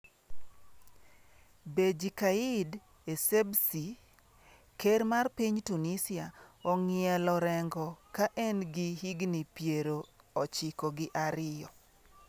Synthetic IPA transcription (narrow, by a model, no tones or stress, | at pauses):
bed͡ʒikaid | esebsi | keɾmarpiɲtunisɪaɔŋɪɛlɔɾɛŋɡɔkaʔɛnɡɪhiɡnipjeɾoɔt͡ʃɪkɔɡɪʔaɾɪjɔ